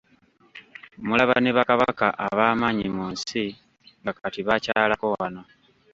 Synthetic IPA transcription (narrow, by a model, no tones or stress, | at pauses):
mulaβaneβakaβakaʔaβaːmaɲimunsi | ŋɡakatiβacaːlakowano